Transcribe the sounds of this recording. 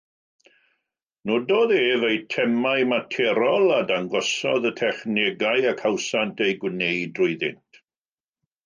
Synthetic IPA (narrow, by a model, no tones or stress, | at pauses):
nodoːðeːvejtʰɛmajmatʰɛɾɔlˠadaŋɡɔsɔðətʰɛχnɛɡajakʰawsantʰejɡwnejdrʊɨðɪ̰ntʰ